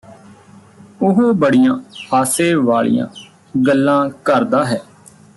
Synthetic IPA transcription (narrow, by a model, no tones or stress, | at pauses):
ʊɦoːbəɽijãːhaːseːʋaːɭḭjã̰ː | ɡəlːãːkəɾd̪aːɦɛː